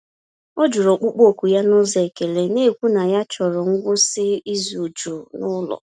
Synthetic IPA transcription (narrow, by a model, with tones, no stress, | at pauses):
o˦d͡ʒu˨ɾo˨k͡pu˦k͡po˦˨kʷu˨ja˦nʊ˦ze˨ke˨le˨ne˦˨kʷu˦na˨ja˦t͡ʃɔ˨ɾɔ˨ŋ̩˦ɡʷʊ˦sɪ˦i˦zu˨d͡ʒu˨nʊ˦lɔ̰˨